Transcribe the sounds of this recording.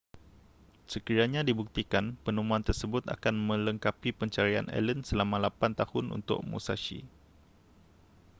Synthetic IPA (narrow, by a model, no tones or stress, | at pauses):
səkiɾaɲãdibuk̚t̪ikanpənũmũant̪ərsəbʊt̪a̰kanmə̃ləŋkapipəɲt͡ʃaɾia̰nɛ̰lənsəlamãlapant̪ahʊnʔṵnt̪ʊ̰k̚mṵsaʃḭ